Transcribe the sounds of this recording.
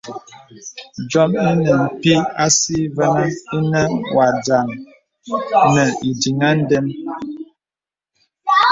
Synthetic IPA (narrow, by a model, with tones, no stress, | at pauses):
d͡ʒɔ˦mi˦nɛ˨m̩˨pi˦a˦si˦vɛ˦nə˦i˦nɛ˦wa˨d͡ʒa˨ŋ | nɛ˨i˨di˨ŋa˦n̩˦dɛ˦m